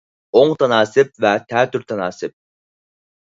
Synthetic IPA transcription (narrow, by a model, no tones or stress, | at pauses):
oŋt̪ʰɑnɑːsɪp̚vɛt̪ʰɛːt̪ʰyɾt̪ʰɑnɑːsɪp̚